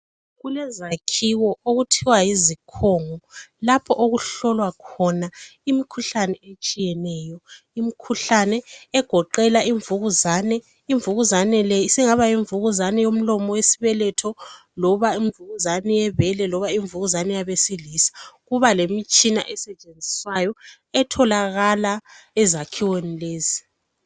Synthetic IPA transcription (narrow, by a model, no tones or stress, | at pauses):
ɣulɛzakʰiwɔoɣutʰiwajizikʰɔŋɔlapʰɔʔoɣuɬɔlwakʰɔnaimikʰuɬanɛet͡ʃʼijɛnɛːjɔ | imikʰuɬanɛːɡ̥ʱɔǃɛlaiɱvuɣuzanɛ | iɱvuɣuzanɛlɛsiŋaβajiɱvuɣuzanɛjom̩lɔmɔwesi̥βɛlɛtʰɔ | lɔβaiɱvuɣuzanɛjɛβɛlɛlɔβaiɱvuɣuzanɛjaβesilisḁɣuβalemit͡ʃʼina̰ʔɛsɛt͡ʃʼend͡zʱiswajɔ | ɛtʰɔlaɣalaɛzakʰiwenileːzi